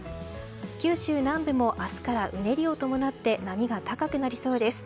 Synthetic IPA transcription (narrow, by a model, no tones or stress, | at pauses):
kʲɨːɕɨːnãmbɯ̟mo̞ʔasɨ̥kaɾaʔɯ̟ne̞ɾʲio̞t̪o̞mo̞nat̪ːe̞namʲiɡat̪akakɯ̟naɾʲiso̞ːd̪e̞sɨ̥